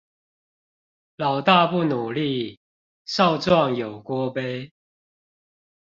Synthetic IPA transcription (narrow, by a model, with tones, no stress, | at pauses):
lɑ˨˩ʊt̪a˥˧pu˥˨nu˨˩li˥˨ | sɑ˥˨˧ʊt͡swɑ˥˨ŋjo˨˩ʊkwɔ˦pe˦ɪ